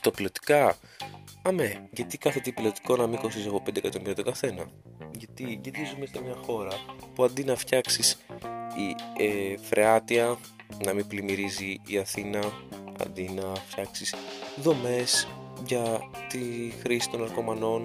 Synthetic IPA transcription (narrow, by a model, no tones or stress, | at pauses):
t̪ɐpilot̪i̥kɐ | ɐme̞ʝɐt̪ikɐθet̪ipilo̞t̪i̥ko̞nɐmiko̞sisɐpopend̪ekɐt̪omiɾot̪oɡɐθe̞nɐ | ʝɐt̪iɟet̪izumest̪emɲɐxo̞ɾɐpuɐnd̪inɐfçɐksisiefɾʔe̞ɐt̪iɐ | nɐmiblimiɾiziːɐθinɐɐ̰nd̪inɐfçɐksisðo̞me̞sʝɐt̪ixɾisi̥t̪o̞nɐɾko̞mɐno̞n